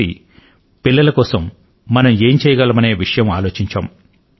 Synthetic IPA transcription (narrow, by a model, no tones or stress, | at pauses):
ḭ | pilːɐlɐkɔːsɐmː | ɐnɐmeːmt͡ʃɛːjɐɡɐlɐmɐneːʋiʂɐjɐmaːlo̞ːt͡ʃiɲt͡ʃa̰ːm